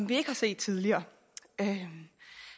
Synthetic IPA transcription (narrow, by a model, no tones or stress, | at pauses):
ɒmʋie̝ɡ̥əhɑ̈se̝̰ːd̥̚t͡sʰið̞ˠliɐː | ø